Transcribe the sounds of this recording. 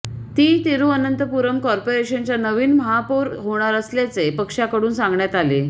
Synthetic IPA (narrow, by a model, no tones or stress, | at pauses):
t̪iːt̪iɾuːənənt̪əpuɾəmkɔɾpoɾeɕənt͡ɕjanəʋiːnməɦapoɾɦoɽ̃aɾəsljat͡sepəkʂjakəɽuːnsãŋɡɳjat̪ale